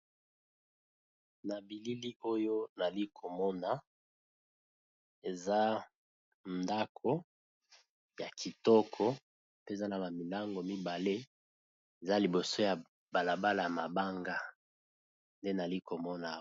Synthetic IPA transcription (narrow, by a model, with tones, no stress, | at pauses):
na˨bi˨li˦li˦o˦jo˦na˨li˦kʰo˨mɔ˦na˨ | e˨za˦ | nda˦kʰo˦ | ja˨kʰi˨tɔ˦kʰɔ˦ | pe˦˨za˦na˨ba˨mi˨la˦ŋɡo˨mi˦ba˨le˦ | e˨za˦li˨bo˨so˦ja˨ | ba˨la˨ba˦la˨ja˨ma˨ba˦ŋɡa˦ | nde˦na˨li˦ko˨mɔ˦na˨